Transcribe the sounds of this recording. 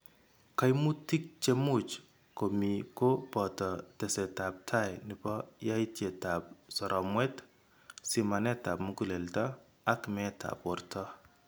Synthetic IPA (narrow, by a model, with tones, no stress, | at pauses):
ka˦jmu˦ti˦k̚t͡ʃe˦mu˦t͡ʃ | ko˨miko˦pɔ˨tɔ˨tɛ˨sɛ˨ta˨p̚tʰa˦jnɪbɔ˦ja˦itje˨ta˨p̚sɔ˨ɾʔɔ˨mwɛ˦t | si˨ma˨nɛ˦ta˨pmuku˦lɛ˨ltɔ˦ | a˦kmɛtʰa̰pwɔrtʰɔ˦